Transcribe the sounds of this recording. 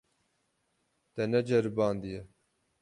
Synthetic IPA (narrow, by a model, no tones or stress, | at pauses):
t̪ɛnɛd͡ʒɛɾbɑːnd̪ijɛ